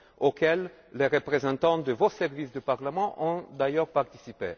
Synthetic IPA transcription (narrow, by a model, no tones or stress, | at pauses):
okɛlː | eʁəpχezɑ̃t̪ɑ̃d̪əvosɛʁvisd̪əpaʁləmɑ̃ʔɔ̃d̪ajœʁpaʁt̪i̥sipḛ